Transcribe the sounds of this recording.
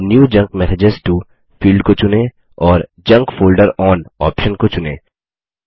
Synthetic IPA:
njuːd͡ʒɐ̃ŋkmɛsed͡ʒəzʈu | fiːlɖkot͡ʃʊnẽ | ɔːɾd͡ʒɐ̃ŋkfoːlɖəɾɔːnɔːpʃənkot͡ʃʊnḛ̃ː

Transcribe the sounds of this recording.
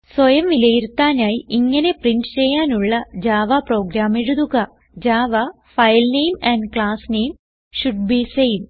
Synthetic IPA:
swɐjɐmʋilɐjiɾut̪ːaːnaːjiʔiŋːɐne̞priɳɖt͡ɕejːaːnuɭːɐd͡ʑaːʋapro̞ːɡɾaːmeɻuðuɣɐ | d͡ʑaːʋa | fɐjlnejmɐɳnɖkɭaːsneːjm | ɕuɖbisejʋ

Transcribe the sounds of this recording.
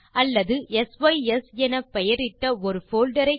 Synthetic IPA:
ɐlːɐðɯɛsʋɐɪɛsɛnɐpːɛjɐɾɪʈːɐɔɾɯfoːlɖɐɾɐɪ

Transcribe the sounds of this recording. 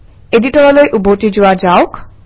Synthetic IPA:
eɖiʈɔɾalojʔubʱotid͡ʑowad͡ʑaok

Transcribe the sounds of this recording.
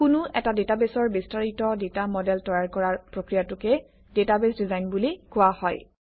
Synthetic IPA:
kʊnʊɛtadetabesɔɹbistaɹitɔdetamɔdɛltɔjaɹkɔɹaɹpɹokɹijatʊkɛ | detabesdizajnbulikʊwahɔj

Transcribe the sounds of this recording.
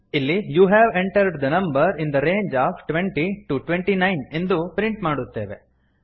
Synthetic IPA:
ilːijuːɦæːʋẽɳʈɐɾɖd̪ɐnɐ̃mbɐɾĩnd̪ɐɾeːnd͡ʒaːfʈʋeɳʈiʈuʈʋeɳʈinɐjne̞nd̪upɾɪɳʈmaːɽut̪ːeːʋḛ

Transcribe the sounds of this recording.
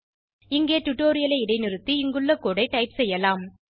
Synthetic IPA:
ɪŋɡeːʈʊʈːoːɾɪjɐlɐɪɪɽɐɪnɪɾɯt̪ːiɪŋɡɯɭːɐkoːɽɐɪʈɐɪpsɛjːɐlaːm

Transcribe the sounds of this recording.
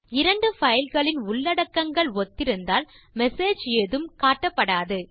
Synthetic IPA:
ɪɾɐɳɖɯfɐjɪlɣɐɭɪnʊɭːɐɽɐkːɐŋɡɐɭɔt̪ːɪɾɯnd̪aːl | mɛseːd͡ʒeːðɯmkaːʈːɐpːɐɽaːðɯ

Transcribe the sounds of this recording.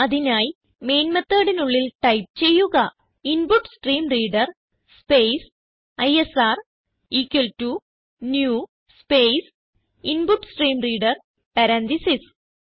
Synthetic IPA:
ɐðinaːj | me̞ːnmɐt̪ːɐːɽinuɭːilʈɐjp̚t͡ɕe̞jːuɣɐ | inbuʈːsʈriːmriːɖɐr | spejs | ɐjesaːr | iːkːeltu | njuː | spejs | inbuʈsʈriːmriːɽɐr | pɐɾɐnt̪isis

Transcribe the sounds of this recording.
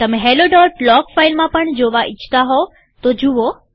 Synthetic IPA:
t̪ɐmẽɦeːloɖɔːʈlɔːkfaːɪlmãpɐɽ̃d͡ʑoːʋaʔɪt͡ɕʰt̪aɦoː | t̪oːd͡ʑuʋoː

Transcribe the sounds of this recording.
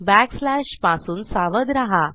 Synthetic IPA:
bækslæɕpasuːnsaʋəd̪ɾaɦa

